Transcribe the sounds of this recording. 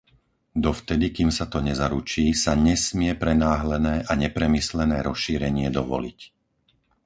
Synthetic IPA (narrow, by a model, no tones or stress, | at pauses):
d̪ɔft̪ɛd̪ikimsat̪ɔɲɛzaɾut͡ʃiːsaɲɛsmɪɛpɾɛnaːɦlɛnɛːʔaɲɛpɾɛmislɛnɛːɾɔsʃiːɾɛɲɪɛd̪ɔʋɔ̰lḭc